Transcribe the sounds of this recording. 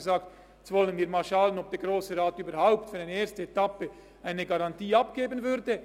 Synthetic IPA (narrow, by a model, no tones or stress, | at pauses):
əzaːkt | ɛt͡sv̥ɔlənviːɐmaːlʃalənɔp̚d̥eːɡʁoːsəʁaːtyːbɐhaʊptfyʁaɪneːɐstəetapə | ʔaɪnəɡaʁantiːapɡ̥eːbənvʏʁdə